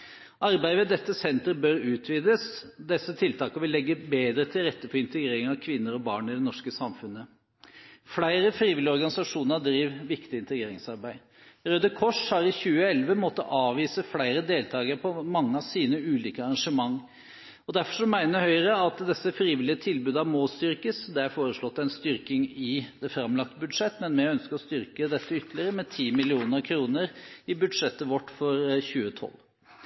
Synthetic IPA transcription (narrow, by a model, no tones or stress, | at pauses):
ʔɑɾbæɪʋɛd̪ɛt̪ːəsɛnt̪əɾbœɾʉːt̪ʰʋiːd̪əsd̪ɛsːət̪ʰɪlt̪ʰɑːkəʋɪlːɛɡːəbeːd̪ɾət̪ʰɪlɾɛt̪ːəfɔɾɪnt̪əɡɾeːɾɪŋɑʋkʰʋɪnːəɾɔbɑːɳɪd̪ɛnɔʂkəsɑmfʉnːə | fɽæɪɾəfɾiːʋɪlːɪɔɾɡɑnɪsɑʂuːnəɑd̪ɾiːʋʋɪkt̪ɪɪnt̪əɡɾeːɾɪŋsɑɾbæɪ | ɾød̪əkʰɔʂhɑɾɪçʉːəɛlʋəmɔt̪ːə̰ʔɑːʋiːsəfɽæɪɾəd̪eːlt̪ʰɑːɡəɾəpʰɔmɑŋːəɑʋsiːnəʉːliːkəɑɾɑnʂəmɑŋː | ɔd̪æɾfɔʂɔmæɪnəhœʏəɾəɑt̪d̪ɛsːəfɾiːʋɪlɪət̪ʰɪlbʉːd̪ɑmɔst̪ʏɾkəsd̪ɛæɾfoːɾəʂɭɔt̪ːæɪnst̪ʏɾkɪŋɪd̪ɛfɾɑmlɑk̚t̪əbʉd̪ʂɛt̪ːmɛnmɛœnskəɔst̪ʏɾkəd̪ɛt̪ːəʏt̪ːlɪəɾəmɛt̪ʰiːmɪlɪuːnəɾkʰɾuːnəɾɪbʉd̪ʂɛt̪ːəʋɔʈːfɔɾçʉːət̪ʰɔ̰lː